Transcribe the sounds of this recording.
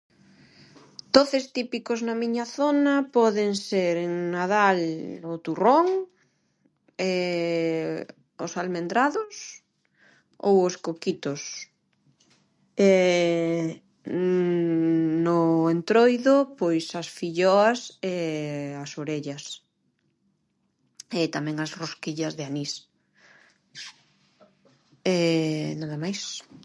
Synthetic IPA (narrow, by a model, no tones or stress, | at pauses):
d̪̥oθest̪ipikoznɐmiɲɐθonɐpɔðeŋseɾeŋnaðalʊt̪uroŋ | ɛ | ʊsalmẽnd̪ɾaðʊs | o̰woskokit̪os | ɛ | nʊent̪ɾojðʊpojsɐsfiʎɔɐsɛasoɾeʎɐs | et̪amɛ̃ŋɐsroskiʎɐzðɪanis | ɛnaðɐmajs